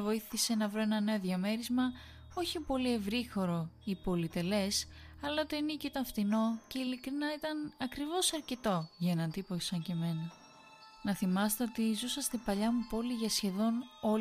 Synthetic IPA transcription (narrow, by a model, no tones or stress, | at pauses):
vo̞iθise̞nɐvɾo̞e̞nɐne̞oðʝɐme̞ɾizmɐ | o̞çipo̞lie̞vɾixo̞ɾo̞ipo̞lit̪e̞le̞sɐlɐt̪oinicoit̪ɐɱft̪ino̞ce̞ilikɾinɐit̪ɐnɐkɾivo̞sɐɾce̞t̪o̞ʝɐenɐnt̪ipoisɐɲce̞me̞nɐ | nɐθimɐst̪e̞o̞t̪izusɐst̪ipɐʎɐmupo̞liʝɐsçe̞ðo̞no̞